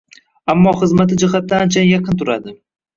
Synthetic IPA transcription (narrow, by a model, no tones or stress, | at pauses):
amːɒχɨzmat̪ɪd͡ʒɪχat̪̚ːaːnt͡ʃʰanjɑqʰɨnt̪ʰʊɾa̰d̪ɪ